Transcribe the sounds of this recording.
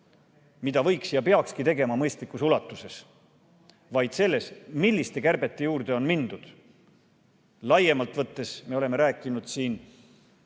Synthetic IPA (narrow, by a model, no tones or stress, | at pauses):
mid̪̥ɑvɤ̞jksjɑpe̞ɑkskit̪e̞ɡe̞mɑmɤjst̪likːˑusulɑt̪ːˑuse̞s | vɑjd̪̥se̞lːe̞smilʲːist̪e̞kærb̥e̞t̪ːe̞juːrd̪̥e̞o̞nmind̪̥ud̪̥ | lɑje̞mɑlt̪ˑvɤt̪ːe̞sme̞o̞le̞meɾæːkːˑinud̪̥siːn